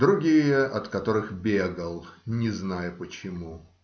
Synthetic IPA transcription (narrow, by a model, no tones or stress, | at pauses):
d̪ɾʊɡʲijəʔɐt̪kɐt̪o̞ɾɨxbʲeɡəlˠnʲɪznajʊpət͡ɕɪmu